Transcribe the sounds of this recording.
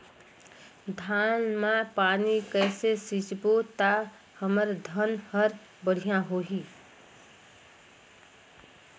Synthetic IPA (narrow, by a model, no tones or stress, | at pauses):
d̪ʱanmapanikəjsesit͡ʃbot̪a | həməɾd̪ʱənhəɾ | bəɽ̤ijãɦoɦi